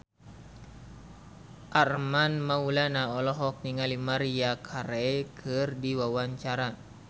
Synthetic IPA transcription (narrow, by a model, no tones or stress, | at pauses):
ʔarmanmaulanaɔlɔɦɔk̚niŋalimaɾiakʰaɾɛkʰɨrdiwawaɲt͡ʃaɾa